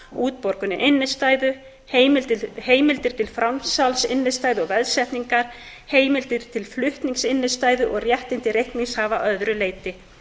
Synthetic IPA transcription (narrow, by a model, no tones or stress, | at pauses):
uːt̪̚pɔɾkʏnɪʔɪnːɪst̪aːjðʏ | heːjmɪlt̪ɪheːjmɪlt̪ɪɾ̥t̪ʰɪlfɾamsalsɪnːɪst̪aːjðʏɔɣvɛðsɛht̪niŋkaɾ̥ | heːjmɪlt̪ɪɾ̥t̪ʰɪlflʏht̪niŋsɪnːɪst̪aːjðʏʔɔɣrjɛht̪ɪnt̪ɪrejhknishavaʔœðɾʏleːjt̪ɪ